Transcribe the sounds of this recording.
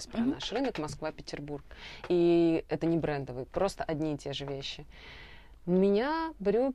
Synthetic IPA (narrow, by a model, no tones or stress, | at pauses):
sʲpɾɐnaʂrɨnəkmɐskvapʲɪtʲɪrburkiɛt̪ənʲɪbɾɛnd̪əvɨjpɾo̞st̪əʔɐdʲnʲiɪtʲeʐɨvʲeɕːɪ | mʲɪnʲabɾʲu